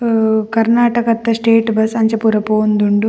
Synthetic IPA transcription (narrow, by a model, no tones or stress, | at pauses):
kɐɾnaːʈɐkɐt̪ːɐsʈeːʈbɐsɐɲt͡ʃɐpuɾɐpoːnd̪uɳɖu